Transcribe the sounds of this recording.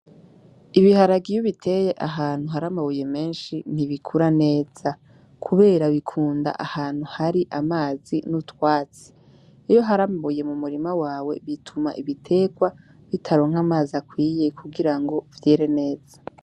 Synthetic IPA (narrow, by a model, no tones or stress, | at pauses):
iβihaɾaɡijuβitʰe̞je̞ʔaɦaːn̥huɦaɾamaβuje̞me̞ːnʃin̥iβikʰuɾane̞ːz̥a | kʰuβe̞ːɾaβikʰuːnda̰ʔahaːn̥huhaɾiʔamaːzinutwaːt͡si̥ | ijo̞ɦaɾamaβuje̞mumuɾimawaːwe̞βitʰuma̰ʔiβitʰe̞ːɡwa | βitʰaɾo̞ŋ̥amaːzakwiːjekʰuɡiɾaŋɡo̞vje̞ːɾe̞ne̞ːz̥ḁ